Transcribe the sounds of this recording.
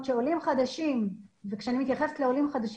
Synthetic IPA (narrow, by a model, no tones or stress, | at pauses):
t͡ʃeolimχad̪aʃimvekʃeanimit̪jaχeft̪leolimχad̪aʃ